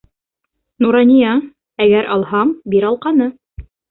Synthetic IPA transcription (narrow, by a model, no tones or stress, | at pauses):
nuɾɑnʲijɑ | æɡæɾʔɑlˠhɑɴbiɾɑlˠqɑnɤ